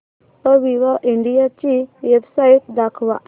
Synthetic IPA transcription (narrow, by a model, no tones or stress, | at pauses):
əʋiʋaʔiɳɖijat͡ɕiʋebsait̪̚d̪akʰʋa̰